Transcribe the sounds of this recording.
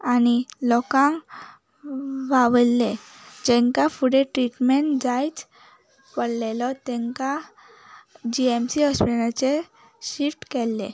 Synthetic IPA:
anilɔkãŋ | ʋaʋlːe | d͡ʑɛ̃ŋkafuɽeʈɾiʈmeɳd͡zajt͡s | pəɽlelɔt̪ɛ̃ŋka | d͡ʑiemsiɔspianat͡se | ɕifʈkɛlːe

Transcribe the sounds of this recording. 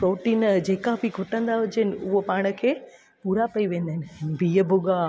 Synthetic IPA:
pɾoːʈiːnd͡ʑeːkabʱiɡʱʊʈːənd̪aʋʊd͡ʒenʊʋopaːɽ̃əkʰeː | puːɾapɐiʋẽːnd̪enbʱijəbʱʊɡaː

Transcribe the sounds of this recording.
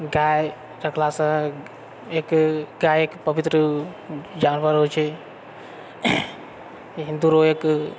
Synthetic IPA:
ɡaːj | ɾɐkʰlaːsã | ekɡaːjekpəʋit̪ɾə | d͡ʒaːnʋaɾɦot͡ʃʰe | ɦĩnd̪uɾoeːk

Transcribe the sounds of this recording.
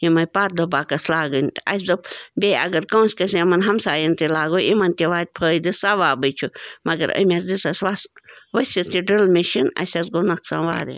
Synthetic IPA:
jimɐjpaːt̪̚d̪ɐbaːkɐslaːɡɨnʲɐ̰s̬d̪ɐbʲeɐ̰ɡɐɾkõːsʲkɐsɐmɐnɦɐmsaːjint̪ilaːɡoʔimɐnt̪ʲiʋaːt̪̚ʲpʰəːid̪ɨsaʋaːbɨt͡ʃʰumɐɡɐ̰ɾɐ̰mʲasd̪isɐsʋasʋɐsʲist̪ʲiɖɨlmʲeʃinɐ̰sʲɐsɡonɐksa̰nʋa̰ːɾḭ

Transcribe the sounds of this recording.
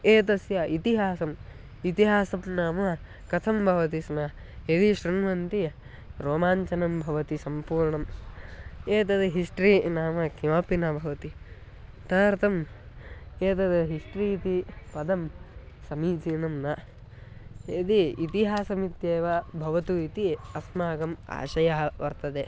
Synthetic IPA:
eːt̪ɐsjɐit̪iɦaːsɐm | it̪iɦaːsɐmnaːmɐ | kɐt̪ʰɐmbʱɐʋɐt̪isnɐ | ed̪iʃɾunʋɐnt̪i | ɾoːmaːɲt͡ʃɐnɐmbʱɐʋɐt̪isɐmpuːɾɳɐm | eːt̪ɐd̪ɐɦiʂʈɾinaːmɐkʰimapinɐbʱɐʋɐt̪i | t̪ɐɾt̪ɐm | eːt̪ɐd̪ɐɦiʂʈɾiːt̪ipɐd̪ɐm | sɐmiːd͡ʒiɳɐmnɐ | ed̪iit̪iɦaːsɐmit̪jeːʋɐbʱɐʋɐt̪uit̪iɐsmaːɡɐma̰ːʃɐjɐɦɐʋɐɾt̪ɐd̪eː

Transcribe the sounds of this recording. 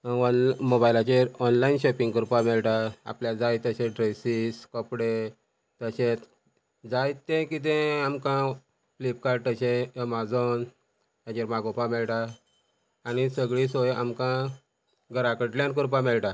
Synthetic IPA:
ɔnmobajlat͡ɕeɾɔnlainɕɔpĩŋɡkuɾpamɛɭʈaa̰pljad͡zajt̪əɕẽɖɾejsiskɔpɽe | t̪əɕẽt̪ | d͡zajt̪ːẽkit̪̬ẽamkã | flip̚kaɾʈ̚t̪əɕẽmad͡zɔn | j̪ãt͡ɕeɾmaɡɔpãmɛɭʈaː | nisəɡɭisojamkã | ɡəɾakəʈljank̬uɾpãmɛɭʈa

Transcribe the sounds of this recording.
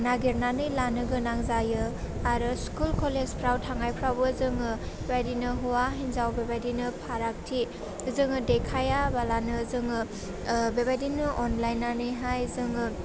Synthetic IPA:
naɡeɾnanɯjlanɯɡɯnaŋzajɯ | aɾɯskulkʰolezpʰɾawtʰaŋajpʰɾawbɯzɯŋɯbebajdinɯɦuwaɦinzawbebajdinɯpʰaɾak̚tʰi | zɯŋɯdekʰajabalanɯzɯŋɯ | bebajdinɯʔɔnlajnːanɯjɦajzɯŋɯ

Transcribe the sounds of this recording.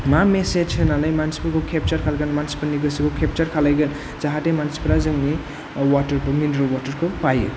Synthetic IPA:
mameset͡ʃʰenalajmansi̥pukʰokʰep̚t͡ʃaɾkʰalɡanmansi̥paniɡɯsikokʰep̚t͡ʃaɾkʰalajɡen | zaɦademansi̥pɾazɯŋni | watɐɾbɯminɾəlwatəɾkʰopajṵ

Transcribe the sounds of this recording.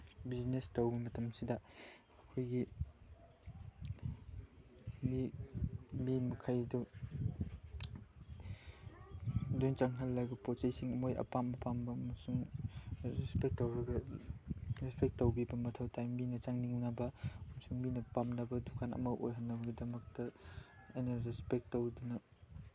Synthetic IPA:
biznestowbimɐtɐmsidɐ | ɐkʰojɡi | mi | mimɐkʰajdu | dojnt͡ʃaŋɦɐlːajbɐpot͡ʃajsiŋɐmojʔɐ̰pambɐpambɐmɐsuŋ | ɾespek̚towɾɐɡɐ | ɾespek̚towbibɐmɐtʰɐwtʰajmːinɐt͡ʃaŋniŋnɐbɐmsuŋminɐpamnɐbɐdukʰanɐ̰mɐwʔo̰jɦɐnːɐbɡidɐmɐk̚tɐɐjnɐɾespek̚towdunɐ

